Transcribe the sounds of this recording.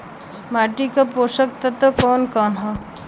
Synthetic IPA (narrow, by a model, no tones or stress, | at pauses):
maːʈikapoːʃək̚t̪ɐt̪okɔːnkɔːnɦɔ